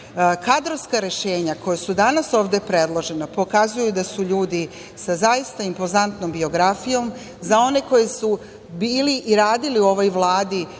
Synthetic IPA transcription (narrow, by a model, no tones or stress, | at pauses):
kad̪ɾoskaɾe̞ʃe̞ːɲako̞jesud̪anaso̞ːʋd̪e̞pɾe̞d̪lˠo̞ʒe̞napo̞kazujud̪asuʎuːd̪i | sazajist̪aimpo̞zant̪nombio̞ɡɾafijo̞m | zao̞ne̞ko̞jesu | biːliʔiɾaːd̪iliuo̞ʋo̞jʋlˠaːd̪i